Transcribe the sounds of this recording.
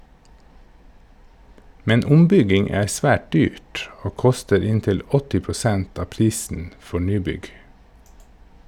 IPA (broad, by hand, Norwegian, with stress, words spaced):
ˈmɛn ˈʊmˌbʏɡɪŋ ˈæː ˈsʋæːʈ ˈdyːʈ ˈoː ˈkʊstəɾ ˈɪntɪl ˈɔtɪ pɾʊˈsɛnt ˈɑː ˈpɾiːsən ˈfɔɾ ˈnyːˌbʏɡ